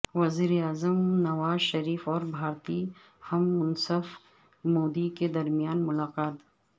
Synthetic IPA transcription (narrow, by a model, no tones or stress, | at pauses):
ʋɐziːɾeaːzəmnɐʋaːzʃɐɾiːfɔːɾbʱaːɾt̪i | hɐmːʊnsəf | moːd̪iked̪ɐɾmijaːnmʊlaːqaːt̪